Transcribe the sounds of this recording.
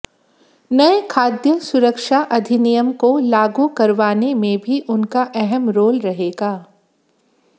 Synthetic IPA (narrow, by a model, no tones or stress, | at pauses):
nɐekʰaːd̪jəsʊɾəkʃaʔɐd̪ʱɪnijəmkolaːɡukɐɾʋaːnemẽbʱiʔʊnkaʔɛɦɛmɾoːlɾɐɦeːɡaː